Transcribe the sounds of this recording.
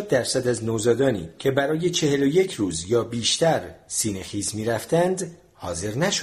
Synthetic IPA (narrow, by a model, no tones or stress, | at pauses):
d̪̚d̪æɾsæd̪æznozɒːd̪ɒːnḭːcʰe̞bæɾɒːje̞t͡ʃʰe̞he̞loje̞cʰɾuːzjɒːbiːʃt̪æɾsiːne̞xiːsmiːɾæft̪ænd̪ | hɒːze̞ɾnæʃo